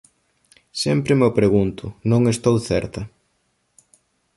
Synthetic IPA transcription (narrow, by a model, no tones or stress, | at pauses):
sɛmpɾɪmeopɾeɣunt̪ʊnõŋest̪owθɛɾt̪ɐ